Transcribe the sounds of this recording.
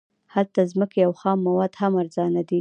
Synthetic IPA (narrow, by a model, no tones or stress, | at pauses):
halt̪azməkejawxɑmːawɑd̪hamaɾzɑnad̪i